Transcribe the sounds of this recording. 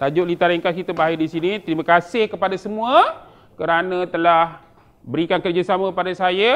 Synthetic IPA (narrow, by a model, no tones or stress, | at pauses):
t̪ad͡ʒoʔlit̪aɾiŋkaskit̪əmbaidisinit̪əɾiməkasɪhkəpadasəmũə | kəɾanə̃t̪əlah | bəɾikankərd͡ʒasamãkəpadasaja